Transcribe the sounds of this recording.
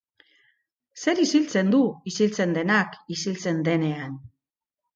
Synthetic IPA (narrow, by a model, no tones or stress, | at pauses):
se̞ɾisilt͡se̞nd̪uisilt͡se̞nd̪e̞nakisilt͡se̞nd̪e̞ne̞an